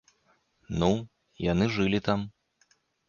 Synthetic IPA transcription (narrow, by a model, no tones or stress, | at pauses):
nu | janɨʐɨlʲit̪am